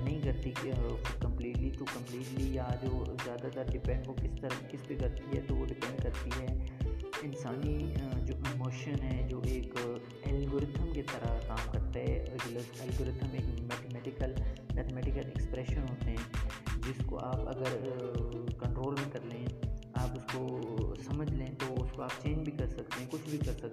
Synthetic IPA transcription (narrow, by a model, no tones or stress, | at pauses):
nɐɦĩkɐɾt̪iʊkɐ̃mpliːʈlit̪okɐ̃mpliːʈlijad͡ʒoːzjaːd̪at̪aɾɖɪpɛ̃ːɳɖʋokɪst̪ɐɾəkɪspekɐɾt̪iɦɛ̰ːt̪oʋoɖɪpɛ̃ɳɖkɐɾt̪iɦɛːɪnsaːnid͡ʒoːʔɪmoːʃənɦɛd͡ʒoːʔeːk | ɛːlɡoɾɪt̪ʰəmket̪ɐɾakaːmkɐɾt̪aɦɛ̰ɡləsɛːlɡoːɾɪt̪ʰəmeːkmɛːʈ̪emɛːʈɪkəlmɛːt̪ʰmɛːʈɪkəlɛ̰kspɾɛːʃənɦoːt̪eɦɛ̃ːd͡ʒɪsko̰ʔaːpɐ̰ɡəɾ | kɐ̃ɳʈɾoːlmẽkɐɾlẽːaːpʊskosɐməd͡ʒʱlẽːt̪ooʊskoaːp̚t͡ʃeːɲd͡ʒbʱikɐɾsɐkt̪eɦɛ̃kʊt͡ʃʰbʱikɐɾsɐ